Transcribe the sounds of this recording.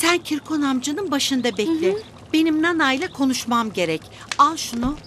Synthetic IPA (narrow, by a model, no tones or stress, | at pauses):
sæncʰiɾkʰonamd͡ʒɯnɯnbaʃɯnd̪abɛlʲɪ | b̥e̞nimnanajlʲˠakʰo̞nuʃmamɟe̞ɾɛc | alˠʃunu